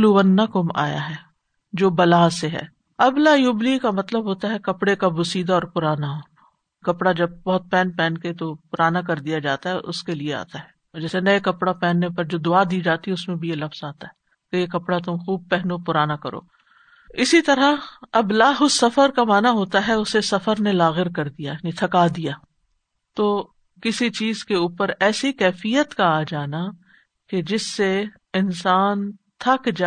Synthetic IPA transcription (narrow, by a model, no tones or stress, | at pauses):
luʋɐnːakʊma̰ːja̰ɦɛː | d͡ʒoːbɐlaːseɦɛ̰ː | ɐblaːjublikamɐt̪ləbɦoːt̪aɦɛkɐpɽekabʊsiːd̪aɔːɾpʊɾaːnaɦoː | kɐpɽad͡ʒɐb̚bɔɦʊt̪̚pɛːnpɛ̃ːnket̪opʊɾaːnakɐɾd̪ijad͡ʒaːt̪aɦɛʔʊ̰skeliea̰ːt̪aɦɛː | d͡ʒɛːsenɐekɐpɽapɛːnːepɐɾd͡ʒoːd̪ʊaːd̪iːd͡ʒaːt̪iɦɛʊsmẽbʱijelɐfz̥aːt̪aɦɛː | k̪ejekɐpɽat̪ʊmxuːb̚pɛɦnopʊɾaːnakɐɾo̰ː | ɪsit̪ɐɾaɐblaːɦʊsɐfəɾkamaːnaɦoːt̪aɦɛʊsesɐfəɾnelaːɣɪɾkɐɾd̪ijanĩt̪ʰɐkaːd̪ijaː | t̪oː | kɪsit͡ʃiːzkeuːpəɾɛːsikɛːfijət̪kaːd͡ʒaːna | ked͡ʒɪsːe | ɪnsaːnt̪ʰɐkd͡ʒ